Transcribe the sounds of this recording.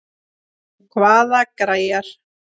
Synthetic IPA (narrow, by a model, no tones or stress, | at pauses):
kʰvaːðakɾaːjaɾ̥